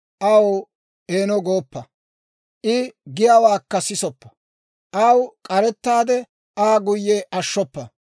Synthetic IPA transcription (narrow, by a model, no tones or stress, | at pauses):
ʔɐw | eːnɔɡo̞ːpːɐ | ʔɪɡɪjawaːkːɐsɪsɔpːɐ̥ | ʔɐwkʼɐɾɛt̪ːaːd̪ɛ | ʔaːɡʊjːɛʔɐʃːɔpːɐ